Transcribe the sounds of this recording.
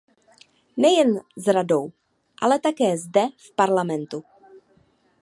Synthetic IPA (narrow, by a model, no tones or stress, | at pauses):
nɛjɛnzɾadow | ʔa̰lɛt̪akɛːzdɛfpaɾlamɛnt̪u